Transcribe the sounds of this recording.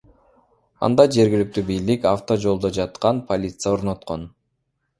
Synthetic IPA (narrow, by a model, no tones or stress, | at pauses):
ɑ̰nd̪ɑd͡ʒe̞ɾɡʲilyk̚t̪ybijlikaft̪o̞d͡ʒo̞lˠd̪o̞d͡ʒɑt̪qɑnpʰo̞lʲit̪sɨjao̞ɾno̞t̪qo̞n